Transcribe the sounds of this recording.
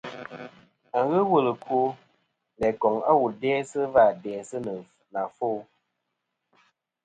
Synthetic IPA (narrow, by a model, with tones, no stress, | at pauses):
a˨ŋ˨˦ɣə˦wə˦˨lə˨ko˦ | lɛ˨kɔ˨ŋa̰˦wu˨dɛː˦sɨ˦va˦˨dɛː˨sɨ˦nə˨ | na˨fo˦